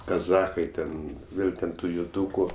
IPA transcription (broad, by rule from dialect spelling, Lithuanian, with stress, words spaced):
kɐˈzɑːxɐɪ tʲɛn ˈʋʲeːlˠ tʲɛn ˈtuː jʊˈduːkʊ